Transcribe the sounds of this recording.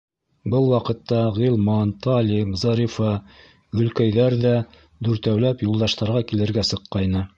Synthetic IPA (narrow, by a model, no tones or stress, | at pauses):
bɤlˠwɑqɤ̆t̪ːɑʁilˠmɑnt̪ɑlʲimzɑɾʲifɑ | ɡɵ̆lkæjðæɾðæ | d̪ʉɾt̪æwlæpjulˠd̪ɑʃt̪ɑɾʁɑkilɘ̆ɾɡæsɤ̆qːɑjnɤ